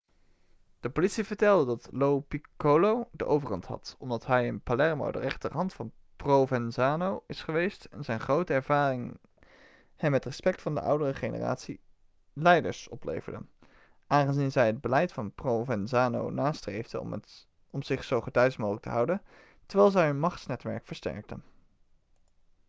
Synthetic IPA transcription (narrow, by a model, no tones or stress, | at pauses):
d̥əpolitsivəɹtɛlˠdədɑtlowpikolowdəʔowvərɦɑ̰ntɦɑ̰tɔmdɑtɦɛjənpalɛɹmo̰wdə̰rɛχtərɦɑntfɑn | prowvɛnzaːnowɪsχəʋejstɛ̰nzɛjnχrowtəɛɹv̥aːrɪŋ | hɛmːɛtrɛspɛktfɑndə̰ʔʌ̰wdərəχejnə̰ra̰ːtsḭ | lɛjdə̰ɹsɔplḛjvəɹdə̰n | ʔaːnχənzinzɛjɦəd̚bəlɛjtfɑnprovɛnzaːno̰wnaːstrejvdə̰ | ɔmz̥ɪχsowχətɛɥsmoːχələktəɦɑwdən | təɹʋɛːlˠzɛjɦɵnmɑχtsnɛtʋɛ̰ɹkfəɹstɛ̰ɹk̚tə̰n